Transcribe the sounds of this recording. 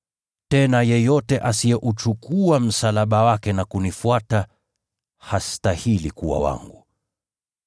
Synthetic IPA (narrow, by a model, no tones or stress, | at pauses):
tɛnajɛjɔtɛʔasijɛʔut͡ʃukuam̩salaɓawakɛnakunifuata | hastahilikuwa̰wa̰ŋɡu